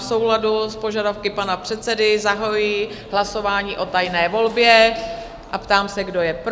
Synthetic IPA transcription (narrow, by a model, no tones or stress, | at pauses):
sowladuspo̞ʒadafkɪpanapr̥ɛt̪sɛdɪzaɦojiː | ɦlaso̞vaːɲiːʔo̞t̪ajnɛːvo̞lbjɛ | ʔapt̪aːmsɛɡdo̞jɛp